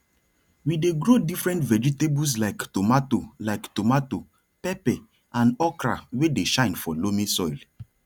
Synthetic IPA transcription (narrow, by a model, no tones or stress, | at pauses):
wideɡɾodifɹɛ̃ntvɛd͡ʒɛtebus̬laɪktomatolaɪktomato | pɛpɛ | ãnɔkɾa̰wedeʃãɪ̃nfɔlomĩsɔɪl